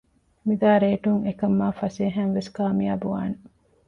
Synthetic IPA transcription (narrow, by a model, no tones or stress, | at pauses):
mid̪aːɾeːʈuŋekɐmːaːfɐseːɦænʋeskaːmija̰ːbuʋa̰ːne